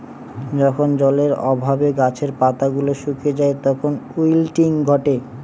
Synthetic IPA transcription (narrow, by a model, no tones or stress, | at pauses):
d͡ʑɔkʰond͡ʑɔleɾɔ̰bʱabeɡat͡ɕʰeɾpat̪aɡuloʃukʰed͡ʑaet̪ɔkʰonujlʈiŋɡʱɔʈe